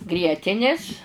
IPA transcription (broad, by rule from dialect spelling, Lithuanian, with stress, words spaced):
ˈɡrʲiɛtʲɪnʲɪs